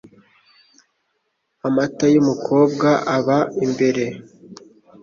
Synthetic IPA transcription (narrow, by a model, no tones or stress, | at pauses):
amatajumukʰo̞ːb̚ɡaʔaβaimbe̞ɾe̞